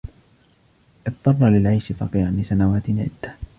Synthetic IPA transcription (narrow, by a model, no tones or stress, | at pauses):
ʔɨt̪ˤːɑrˤːɑlɪlʕajʃɪfɑ̰qiːʕanlɪsanawaːt̪ɪnʕɪ̰d̪ːa